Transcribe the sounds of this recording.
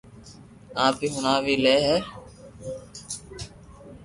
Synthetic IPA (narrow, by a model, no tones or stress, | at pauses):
ãːpiːɦʊnaːʋiːleːɦɛː